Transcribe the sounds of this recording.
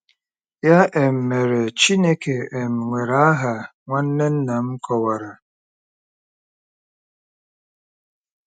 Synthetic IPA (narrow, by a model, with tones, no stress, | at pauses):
ja˦ʔe˨m̩˨me˨ɾe˨t͡ʃi˦ne˦ke˨e˨m̩˨ŋʷe˨ɾa˨˦a˦ɦa˨ | ŋʷa˦n̩˦ne˦n̩˦na˨m̩˦kʰɔ˨wa˨ɾa˨